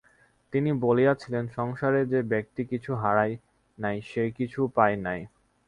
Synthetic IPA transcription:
t̪inibolijat͡ɕʰilenʃɔŋʃaɾed͡ʑebek̚ʈikit͡ɕʰuɦaɾaj | najʃejkit͡ɕʰupaenaj

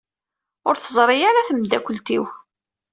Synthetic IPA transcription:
ʊɾθəzˤɾˤijaɾaθəmd̪ːækʷəlt̪iw

